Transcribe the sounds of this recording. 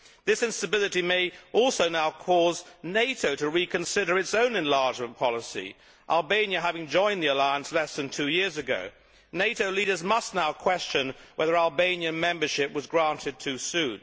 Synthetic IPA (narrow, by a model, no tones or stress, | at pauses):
ðɪsɨ̃nstɨbɪlˠɨɾimeɪʔɔlˠsoʊnaʊkʰɔzneɪɾoʊɾɨɹikɨ̃nsɪɾə˞ɨtsõʊ̃nɨ̃nlɑɹd͡ʒmə̃npʰɑlˠəsḭ | ʔælˠbẽɪ̃njɨɦævɪ̃ŋd͡ʒɔ̃ɪ̃nðiəlaɪə̃nslɛsðɨ̃ntʰʉjɪɹzɨɡo̰ʊ | neɪɾoʊliɾə˞zmʌstnaʊkʰw̥ɛst͡ʃɨ̃nwɛðə˞ælˠbẽɪ̃njɨ̃nmɛ̃mbə˞ʃɪpwʌzɡɹæ̃ntʰɨd̚tʰʉsʉd